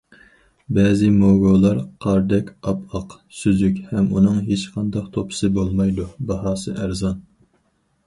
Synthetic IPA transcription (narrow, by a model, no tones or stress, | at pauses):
bɛːzɪmoɡolˠɑɾqʰɑɾd̪ɛkʲɑpɑq | syzykʲhɛmunɨŋɦet͡ʃqʰɑnd̪ɑqt̪ʰopʰɨ̥sɨbolˠmɑjd̪ubɑɦɑːsɨʔæɾzɑn